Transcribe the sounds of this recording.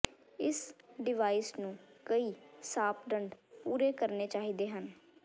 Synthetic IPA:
ɪsɖɪʋaːiːsnũːkəiːsaːpʰɖəɳɖpuːɾeːkəɾneːt͡ʃaːɦiːd̪eːɦən

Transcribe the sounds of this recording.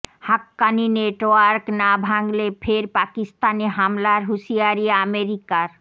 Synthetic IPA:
hakːanineʈoaɾknabʱaŋlefʰeɾpakist̪aneɦamlaɾɦuʃiaɾieameɾikaɾ

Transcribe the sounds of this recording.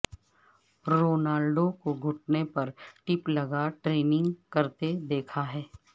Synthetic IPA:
ɾoːnaːlɖõkoɡʱʊʈ̚nepɐɾʈɪplɐɡaʈɾeːnɪ̃ŋɡkɐɾt̪ed̪eːkʰaɦɛː

